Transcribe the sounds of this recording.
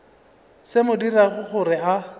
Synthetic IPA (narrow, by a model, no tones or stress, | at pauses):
sɪmʊdiraɣʊχʊrɪa